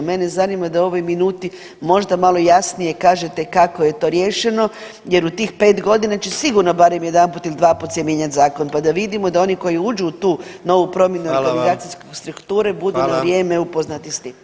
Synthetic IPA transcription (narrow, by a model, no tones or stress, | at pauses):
menezanimad̪ao̞ʋo̞jminuːt̪i | mo̞ʒd̪amalˠo̞jasnije̞kaːʒet̪ekako̞je̞t̪o̞ɾje̞ːʃe̞no̞ | je̞ɾut̪iːxpe̞ːt̪ɡo̞d̪inat͡ɕe̞siɡuɾno̞baɾemjed̪anput̪ilid̪ʋaːput̪sjemjeɲat̪ʲzaːkonpad̪aʋid̪imo̞d̪ao̞niko̞jiud͡ʒuːt̪uːno̞ʋupɾo̞mje̞nuoɾɡanizaːt̪siskost̪ɾukt̪uːɾe̞bud̪unaʋɾje̞ːmeupo̞znat̪ist̪iːm